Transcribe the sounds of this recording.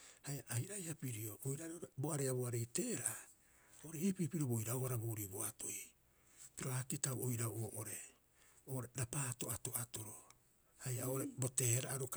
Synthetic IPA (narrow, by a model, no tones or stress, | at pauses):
hajaʔajɾajhapiɾio̞ʔojɾaɾoboaɾeaboaɾe̞jte̞ːɾaʔa | oʔoɾeipipiɾobojɾaohaɾaboːɾiboatʰoi | piɾo̞akitawojɾawoːʔoɾe̞ | oːɾeɾapaːto̞ato̞ʔato̞ɾo̞ | hajaoʔoɾebo̞te̞ːhɾaʔaɾok